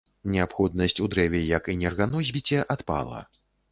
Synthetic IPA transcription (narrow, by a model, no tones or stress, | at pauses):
nʲɛapxɔd̪̚nɐsʲt͡sʲud̪ɾɛvʲɛjɐkinʲɛrɣanɔzʲbʲit͡sʲɛʔat̪pa̰lˠɐ̰